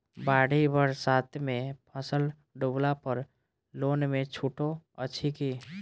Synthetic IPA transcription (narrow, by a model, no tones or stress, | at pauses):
baːɽ̤ibəɾsaːt̪ʰmẽpʰəsəl | ɖuːblapəɾ | loːnmẽt͡ʃʰuːʈoətːt͡ʃʰikiː